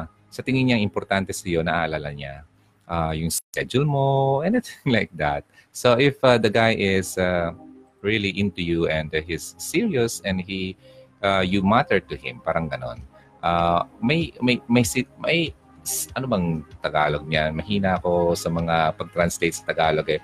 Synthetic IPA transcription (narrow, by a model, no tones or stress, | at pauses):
sɐt̪ɪŋɪɲaŋɪmpɔɾt̪ant̪ɛsɐjo̞nɐʔaːʔɐlalɐɲa̰ | ʔajʊŋskɛd͡ʒʊlmoʔɛnɪθɪ̃ŋlajk̚d̪at̪̚ | soʔɪfʔad̪ɐɡajʔɪsa | ɹiliʔɪ̃nt̪ujuʔɛ̃nd̪hɪsːiɹiosɛ̃nd̪hi | ʔajumat̪ɛɹt̪uhɪ̰̃mpaːɾɐŋɡɐno̞̰n | ʔamɐjmɐjmɐjsmɐj | sʔɐnobɐŋt̪ɐɡaːloɡ̚ɲanmɐhiːnɐɐko̞sɐmɐŋapɐɡ̚t̪ɾɐnslejt̪̚sɐ̥t̪ɐɡaːloɡɛ